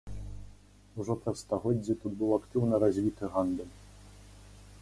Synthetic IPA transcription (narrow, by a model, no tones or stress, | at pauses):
uʐɔpɾɐsst̪aɣɔd͡zʲːit̪ud̪bɨwakt̪ɨwnɐɾazʲvʲit̪ɨɣand̪ɛlʲ